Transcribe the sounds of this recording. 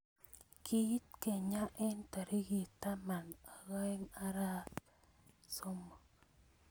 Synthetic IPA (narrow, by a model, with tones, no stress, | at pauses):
kʰi˦t̪̚ke˨ɲa˦ʔɛ˦nta˨ɾi˦ɡi˨ta˦ma˨na˨ɣa˦ɛ˦ŋa˦ɾa˦ | so˦mo˨